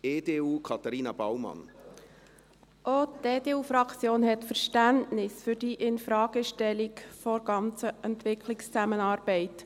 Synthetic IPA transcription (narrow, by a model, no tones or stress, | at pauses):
eːdeːuːkʰɑt̪aɾiːnɑbawmɑ̰n | ʔoːtd̥eːdeːuːfɾɑkt͡sjoːnhɛtfəɾʃtæntnɪsfʏɾdiʔɪnfɾɑːɡ̥əʃtɛlikfɔɾɡ̥ɑnt͡səʔɛntʋɪkʰlɪkst͡sæmənɑːɾb̥ɛɪt